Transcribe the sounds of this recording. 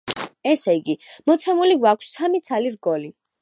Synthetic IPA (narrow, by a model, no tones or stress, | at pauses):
ɛsɛiɡimɔt̪sʰɛmuliɡwakʷʰsːamit̪sʰaliɾɡɔli